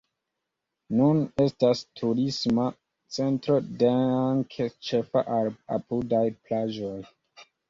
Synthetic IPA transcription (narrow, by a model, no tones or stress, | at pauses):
nune̞stastʰuɾisma | t͡se̞ntɾo̞de̞aŋkʰet͡ʃe̞fa̰ʔaɾa̰pudajplad͡ʒo̞j